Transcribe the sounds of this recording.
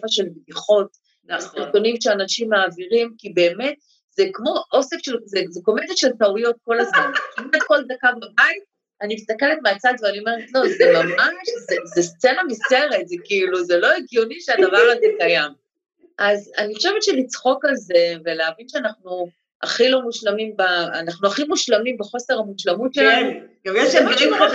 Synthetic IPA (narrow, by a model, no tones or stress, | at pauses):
faʃelbdiχo̞t̪ | asiʁtonimʃeanaʃimːaːviʁimkibe̞ːme̞t | zekmo̞ʔosekʃelzezeko̞meteʃeltaujo̞t̚ko̞lazmankimat̪̚ko̞ld̪akababait̪̚ | animist̪ake̞let̪meat͡sad̪veanio̞me̞ʁet̪lo̞zemamaʃzezest͡senamiseʁet̪zekiiluzelo̞eɡjoniʃead̪avaʁazekajam | ʔazanixχoʃevetʃelit͡sχo̞kalze̞veleavinʃeanaχnu | a̰χilo̞muʃlamimbaːnaχnuaχimuʃlamimbeχo̞se̞ʁamuʃlamutʃelanu | ajʃemimo